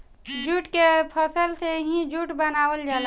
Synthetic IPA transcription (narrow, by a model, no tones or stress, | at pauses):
d͡ʒuːʈkepʰəsəlt̪ʰeɦĩd͡ʒuːʈbənaːwəld͡ʒaːl